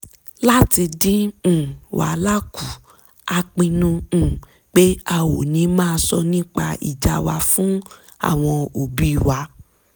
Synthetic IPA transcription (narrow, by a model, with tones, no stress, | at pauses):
la˦ti˧dĩ˦˨ | wʔa̰˨˦la˦ku˨ | a˧k͡pĩ˧nũ˧˨ | k͡pe˦a˧wo˨nĩ˨˧˦mãː˦˧sɔ˧nĩ˦k͡pa˧ḭ˨d͡ʒa˧wa˧fũ˦ | a̰˦˨w̃ɔ̃˧o˨bi˦i˦˨wa˧